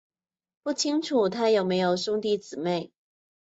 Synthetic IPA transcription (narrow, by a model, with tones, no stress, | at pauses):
pu˥˩t͡ɕʰi˥ŋʈ͡ʂʰu˨˩t̪ʰa˥jo˨˩ʊme˧˥ɪjo˨˩ʊsʊ˥ŋt̪i˥˩t͡sɹ̩˨˩me˥˩ɪ